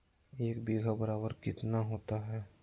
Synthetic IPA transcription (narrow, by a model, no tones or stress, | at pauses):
eːkbeːɡabəɾaːbəɾkɪt̪naɦoːt̪aɦɛ